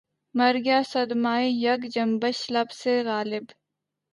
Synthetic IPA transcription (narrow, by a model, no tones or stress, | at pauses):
mɐɾɡjaːsɐd̪maːijɐɡd͡ʒɐmbəʃlɐbseɣaːlɪb